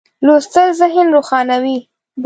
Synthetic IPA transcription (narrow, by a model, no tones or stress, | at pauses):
lost̪əlzɪɦɪnɾoxɑnawi | b